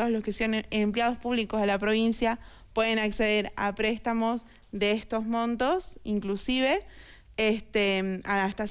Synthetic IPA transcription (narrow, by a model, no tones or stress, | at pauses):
olo̞skeseanempljað̞o̞spuβlikozðelapɾo̞β̞insja | pweðe̞nakse̞ðe̞ɾa̰pɾe̞st̪amo̞s | ðeest̪o̞zmõ̞nt̪o̞siŋklusiβe̞ | est̪eaast̪as